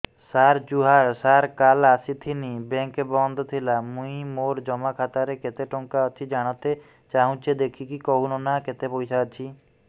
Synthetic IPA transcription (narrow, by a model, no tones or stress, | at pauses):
saɾd͡ʒuɦaɾsaɾkalasit̪ʰinibeŋkbɔnd̪ʱɔt̪ʰilamũĩmoɾd͡ʒɔmakʰat̪aɾeket̪eʈɔŋkaɔt͡ʃʰid͡ʒaɽ̃ɔt̪e | t͡ʃaɦũt͡ʃʰid̪ekʰikikɔɦunɔnaket̪epojsaːt͡ʃʰi